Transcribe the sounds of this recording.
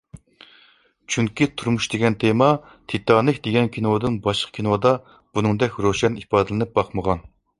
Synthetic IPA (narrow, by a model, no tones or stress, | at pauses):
t͡ʃʰyŋkʲit̪ʰuɾmuʃd̪eɡʲɛnt̪ʰemɑ | t̪ʰit̪ʰːɑnɨkʲd̪eɡʲɛnkʲʰinod̪ɨnbɑʃqʰkʲʰinod̪ɑ | b̥unɨŋd̪ɛkʲɾoʃɛnipɑːd̪ɨlˠɨnɨp̚bɑqməʁɑn